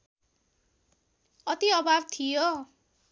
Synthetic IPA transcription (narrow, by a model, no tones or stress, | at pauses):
ʌt̪iʌbab̚t̪ʰijo